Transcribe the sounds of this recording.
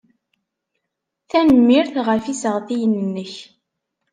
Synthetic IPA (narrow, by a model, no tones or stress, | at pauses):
θænəmːɪɾθʁəfisəʁθijənːənːəç